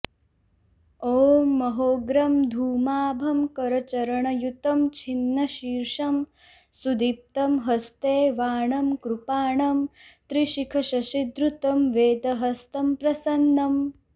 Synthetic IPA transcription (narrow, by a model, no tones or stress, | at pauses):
oːmɐɦoːɡɾɐmd̪ʱuːmaːbʱɐmkɐɾɐt͡ʃɐɾɐɳɐjut̪ɐmt͡ʃʰinːɐʃiːɾʂɐm | sud̪ip̚t̪ɐmɦɐst̪eːʋaːɳɐmkɾupaːɳɐmt̪ɾiʃikʰɐʃɐʃid̪ɾut̪ɐmʋeːd̪ɐɦɐst̪ɐmpɾɐsɐnːɐm